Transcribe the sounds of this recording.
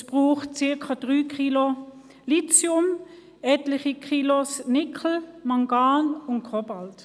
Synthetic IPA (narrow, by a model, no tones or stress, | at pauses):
sb̥ʁuːχt̚t͡sɪɐkʰad̥ʁyːkʰilo | lit͡sjʊm | ɛtlɪχikʰilosnɪkʰl̩maŋɡaːnʊntkʰʁɔbalt